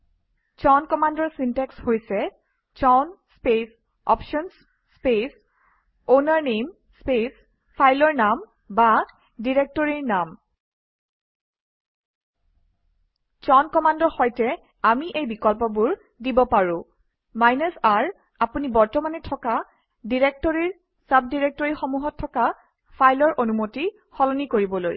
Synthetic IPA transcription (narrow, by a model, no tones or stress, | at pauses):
t͡ʃɔnkɔmandɔɹsintɛkshojsɛ | t͡ʃɔnspes | ɔ̰pʃɔns | spes | onaɹnem | spes | pʰajlɔɹnam | ba | diɹek̚tɔɹiɹnam | t͡ʃɔnkɔmandɔxɔjtɛ | amiʔejbikɔlp̬ɔbuɹ | dibɔpaɹʊ̃ | majnɔsaɹ | apunibɔɹtɔmanɛtʰɔka | diɹek̚tɔɹiɹ | sab̚diɹek̚tɔɹixomuɦɔtʰːɔka | pʰajlɔɹʔonumoti | xɔlɔnikoɹibɔloj